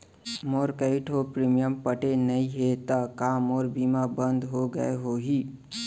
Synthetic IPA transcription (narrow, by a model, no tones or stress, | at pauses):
moːɾkəɪʈʰɦopɾiːmijəmpəʈenɐĩɦet̪əkaːmɔːɾbiːmabə̃nd̪ɦoɡə̰eɦoɦiː